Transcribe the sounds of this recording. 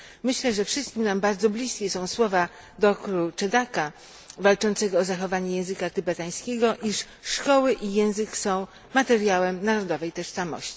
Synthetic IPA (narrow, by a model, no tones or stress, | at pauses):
mɘɕlɛʐɛfʂɘst̪kʲimnambaɾd̪zɔblʲiskʲɛsɔ̃w̃swɔva | d̪ɔkɾut͡ʂɛd̪aka | valt͡ʂɔnt̪sɛɡɔːzaxɔvaɲɛjɛ̃w̃zɘkat̪ɘbɛt̪aj̃skʲɛɡɔʔiʂ | ʂkɔwɘʔijɛ̃w̃zɘksɔ̃w̃ | mat̪ɛɾjawɛmnaɾɔd̪ɔvɛjt̪ɔʂsamɔ̰ɕt͡ɕi̥